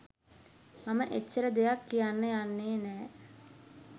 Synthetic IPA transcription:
maməʔet͡ʃːəɾəd̪ejakːijanːəjanːeːnɛː

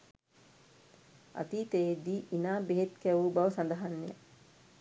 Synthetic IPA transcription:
ʔa̰t̪iːt̪eed̪iːʔinaːbeɦet̪̚kɛʋuːbaʋsand̪ɐɦanːeja̰

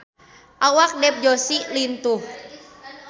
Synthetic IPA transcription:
ʔawak̚dɛp̚d͡ʒosilint̪uh

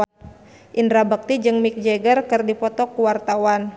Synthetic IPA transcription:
ʔindɾabak̚t̪id͡ʒɨŋmik̚d͡ʒɛɡərkɨrdipɔt̪ɔkuwart̪awan

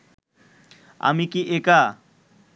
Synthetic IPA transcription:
a̰mikiʔeka

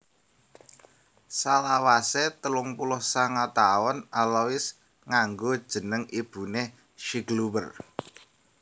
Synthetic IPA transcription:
salawaset̪əlʊŋpulʊhsaŋat̪aɔnalawɪs | ŋaŋɡod̥ʒ̥ə̤nəŋib̥ṳne | ʃiɡ̥luwər

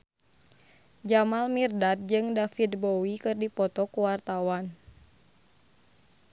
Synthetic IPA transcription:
d͡ʒamalmirdat̪̚d͡ʒɨŋdafid̪̚bɔwikɨrdipɔt̪ɔkuwart̪awan

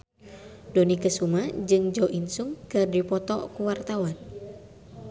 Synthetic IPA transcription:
donikəsumad͡ʒɨŋd͡ʒɔʔinsuŋkɨrdipɔt̪ɔkuwart̪awan

